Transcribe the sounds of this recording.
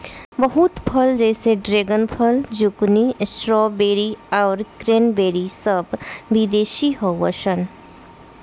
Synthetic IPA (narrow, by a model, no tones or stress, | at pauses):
bəɦut̪pʰəld͡ʒɛːseɖɾeːɡənpʰəld͡ʒʊknisʈɾɔːbeːɾiaːɾkɾeːnbeːɾisəbʋid̪eːʃiɦɔwəʃən